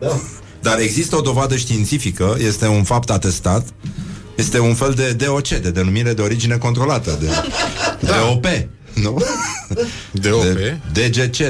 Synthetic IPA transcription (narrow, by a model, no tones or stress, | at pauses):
d̪aɾe̞ɡzist̪əo̞d̪o̞vad̪əʃt̪iːnt̪sifikəje̞st̪e̞unfapt̪at̪e̞st̪at̪ | je̞st̪e̞unfe̞ld̪e̞d̪e̞o̞t͡ʃe̞d̪e̞d̪e̞numiɾe̞d̪eo̞ɾid͡ʒine̞ko̞nt̪ɾo̞lat̪əd̪e | d̪eo̞pe | nu | eed̪e̞d͡ʒe̞t͡ʃe